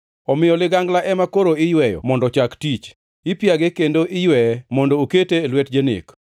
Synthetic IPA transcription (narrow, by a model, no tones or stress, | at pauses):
ɔmɪjɔlɪɡaŋɡlaʔɛmakoɾoɪjwɛjɔ̰mɔndɔt͡ʃaktit͡ʃ | ɪpjaɡekendoʔɪjwɛɛmɔndouketeːlwet̚d͡ʒenɪ̰k